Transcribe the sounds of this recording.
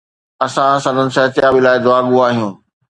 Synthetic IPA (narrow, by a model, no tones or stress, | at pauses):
ɐsãsɐ̃nd̪ənɪ̆sɐɦt̪ɪjaːbɪlaːɪd̪ʊaːɠũaːɦijũː